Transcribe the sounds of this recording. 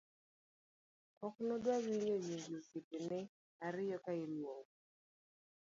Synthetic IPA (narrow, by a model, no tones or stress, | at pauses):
kɔknɔdwawiɲojiŋɡisitɪnɛ | aɾɪjɔkailwoŋ